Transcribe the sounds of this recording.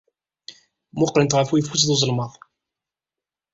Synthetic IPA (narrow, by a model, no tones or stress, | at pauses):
mʊqːɾənt̪ʁəfujəfusðozˤəlməðˤ